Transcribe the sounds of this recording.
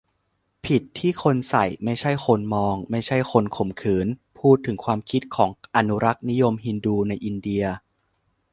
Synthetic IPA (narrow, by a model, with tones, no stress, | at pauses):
pʰi˨˩t̪ʰːiː˥˩kʰo˧nsa˨˩jma˥˩jt͡ɕʰa˥˩jxʰo˧nmɔː˧ŋma˥˩jt͡ɕʰa˥˩jxʰo˧nkʰo˨˩mkʰɯː˩˦npʰuː˥˩t̪ʰːɯ˩˦ŋkʰwaː˧mkʰi˦˥t̪̚kʰɔː˩˦ŋʔa˧nu˦˥ɾa˦˥k̚ni˦˥jo˧mɦi˧nduː˧na˧jʔi˧ndi˧ɐ